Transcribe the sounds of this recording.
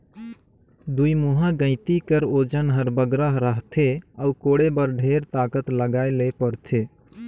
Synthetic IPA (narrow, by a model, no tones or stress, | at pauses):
d̪uimuɦãɡə̃ɪt̪ikəɾod͡ʒənɦəɾbəɡɾəɦɾəɦt̪ʰeaukoɽebəɾɖʱeɾt̪akət̪ləɡaelepəɾt̪ʰe